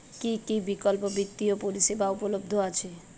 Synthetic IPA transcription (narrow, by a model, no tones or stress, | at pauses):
kikibikʌlpɔbit̪ːijopolisebaupɔlob̚d̪ʱoat͡sʰe